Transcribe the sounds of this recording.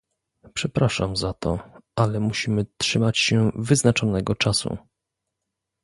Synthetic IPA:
pʂɛpɾaʂamzat̪ʰɔ̰ʔalɛmuɕimɘtʂɘmat͡ɕɕɛvɘznat͡ʂɔnɛɡɔt͡ʂasṵ

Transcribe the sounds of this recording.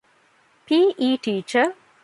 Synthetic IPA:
piːʔiːʈiːt͡ʃə

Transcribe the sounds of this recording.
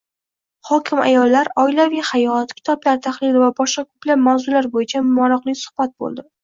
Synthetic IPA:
hɒkʲʰɪma̰jɒlːaɾɒɪlavijhajɒt̪kʲʰɪ̥t̪ʰɒplaɾt̪ʰaχlɪlɪvabɒʃqakʰɵplab̚mawzʊlaɾbojɪt͡ʃʰammɒɾɒqlˠɪkʲsʊ̥hbat̪̚bo̰lˠd̪ɪ

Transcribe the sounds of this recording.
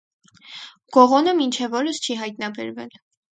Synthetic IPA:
ɡ̥ɔʁɔnəmint͡ʃʰɛvɔɾəst͡ʃʰiɦɑjt̪nɑbɛ̰ɾvɛ̰l

